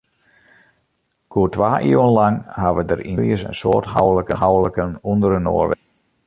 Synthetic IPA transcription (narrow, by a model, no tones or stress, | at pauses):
kʰuətʋaːʔiːwənlaŋhaʋədərʔilˠjəsə̰nsoːtɦa̰wləkəɦawələkənundəɾəno̰ːrʋɛ